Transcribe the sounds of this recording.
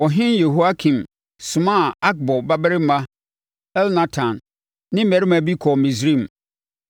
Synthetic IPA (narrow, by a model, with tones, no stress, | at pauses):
ɔ˨ɦɪ̃˦nje˨ɦu˦a˦kʰĩ˨m | sʊ̃˨mã˦˨a˦k̚bɔ˨ba˦bɾɪ˦mã˦ | ɛ˦lnã˦tʰã˨nː | ɪ̃˦mɛ˨ɾɪ˦mã˨bi˦kʰɔ˨mĩ˨sɾĩ˦˨m˨